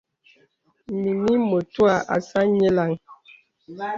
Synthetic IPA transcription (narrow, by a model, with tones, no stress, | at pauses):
mi˨mi˦mo˨twa˨ʔa̰˨sa˦ɲɛ˦la˦˨ŋ